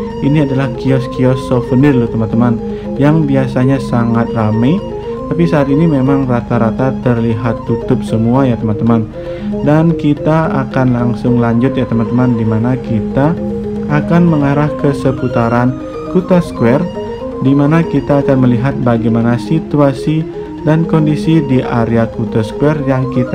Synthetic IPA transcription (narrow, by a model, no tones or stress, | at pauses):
ʔiniadalahkiɔskiɔsɔfənɪrlut̪əmant̪əman | jaŋbiasaɲasaŋat̪̚ramej | t̪apisaːt̪inimemaŋrat̪aɾat̪at̪ərliɦat̪ːut̪ʊp̚səmuajat̪əmant̪əman | dankit̪aakanlaŋsʊŋlaɲd͡ʒʊt̪̚jat̪əmant̪əmandimanakit̪aː | kanməŋaɾahkəsəput̪aɾan | kut̪askuɛr | dimanakit̪aːkanməliɦat̪̚baɡajmanasit̪uasi | dankɔndisidiʔaɾeakut̪askuɛrjaŋkit̪